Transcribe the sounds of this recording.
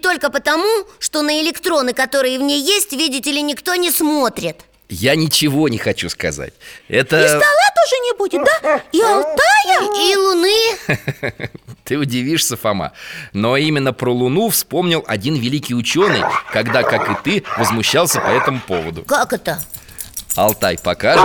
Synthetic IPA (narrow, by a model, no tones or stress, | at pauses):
t̪o̞lʲkəpət̪ɐmuʂt̪o̞nəɪlʲɪkt̪ɾo̞nɨkɐt̪o̞ɾɨjəvnʲejːesʲtʲvʲidʲɪtʲɪlʲɪnʲɪkt̪o̞nʲɪsmo̞t̪ɾʲɪt̪ | janʲɪt͡ɕɪvo̞nʲɪxɐt͡ɕuskɐza̰t̚ʲɛt̪əɪst̪ɐlˠat̪oʐɨnʲɪbudʲɪt̪̚d̪aialˠt̪ajəilˠʊnɨ | t̪ɨʊdʲɪvʲiʂsʲəfɐma̰no̞imʲɪnːəpɾəlˠʊnufspo̞mnʲɪlˠɐ̰dʲinvʲɪlʲikʲɪjʊt͡ɕo̞nɨ̰jkɐɡd̪akakɨt̪ɨvəzmʊɕːalˠsʲəpɐɛt̪əmʊpo̞vəd̪ʊ̰kakɛt̪ə | ɐ̰lˠt̪ajpɐka